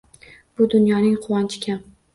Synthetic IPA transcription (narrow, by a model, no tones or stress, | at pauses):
b̥ʊd̪ʊnjɒnɪŋqʰʊwɒnt͡ʃʰɪ̥kʲʰam